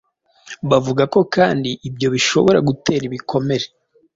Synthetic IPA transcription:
βavuɡako̞kaːndiʔːbjo̞βiʃo̞βo̞ɾaɡute̞ːɾiβikʰo̞me̞ɾe

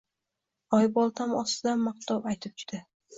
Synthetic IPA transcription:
ɒjbɒlˠt̪ʰamɒst̪ɪd̪anmɑqt̪ʰɒwajt̪ʰɪp̚t͡ʃʰʊ̥d̪̥ɪ

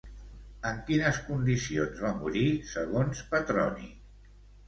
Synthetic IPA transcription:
əŋkinəskund̪isionzβamuɾisəɣ̞onspət̪ɾɔ̰nḭ

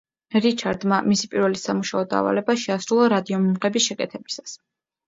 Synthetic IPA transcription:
ɾit͡ʃʰaɾd̪mamisipʼiɾvɛlisamuʃaɔd̪a̰ːva̰lɛbaʃɛasɾulˠaɾad̪iɔmumʁɛbisʃɛkʼɛt̪ʰɛb̥isḁs

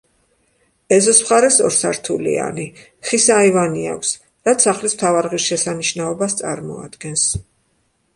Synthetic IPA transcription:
ɛzɔsmχaɾɛsɔ̰ɾsaɾt̪ʰulḭa̰ni | χisaivania̰kʰʷs | ɾat̪saχlismt̪ʰavaɾʁisʃɛsaniʃnaɔbast̪sʼa̰ɾmɔ̰a̰d̪̥ɡɛns

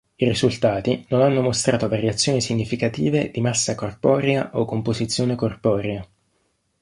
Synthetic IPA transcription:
irizult̪aːt̪inonanːomost̪ɾaːt̪ovaɾjat̪sːjoːnisiɲːifikat̪iːved̪imasːakorpɔːɾeaʔokːompozit̪sːjoːnekorpɔːɾea

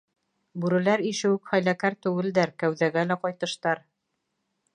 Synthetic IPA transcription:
bʉɾɘ̆læɾiʃɘ̆wɘkχæjlækæɾt̪ɵ̆wɘ̆ld̪æɾkæwðæɡælæqɒjt̪ɤ̆ʃt̪ɑɾ

